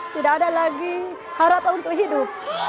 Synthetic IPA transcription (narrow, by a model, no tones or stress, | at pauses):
t̪idaʔkadalaɡi | haɾapanunt̪ʊkɦidʊp̚